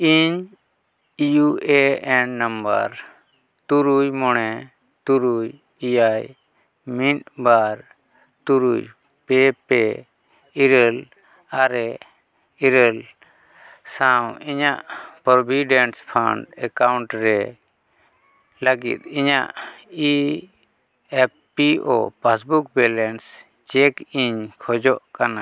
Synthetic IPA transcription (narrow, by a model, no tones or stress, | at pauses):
iɲ | ijuɛɛnːamba̰ɾ | t̪uɾujmɔɳɛ | t̪uɾuj | ijaj | miʈ̪̚baɾ | t̪uɾṵj | pɛpɛ | iɾɛl | aɾɛ | iɾəl | sãwiɲaʔpɾɔbiɖɛnspʰaɳɖɛkawɳʈɾɛ | ləɡḭt̪̚iɲa̰ʔi | ɛpːiɔ̰pasbuk̚bɛlɛns | t͡ʃɛkiɲkʰɔd͡ʒɔʔkana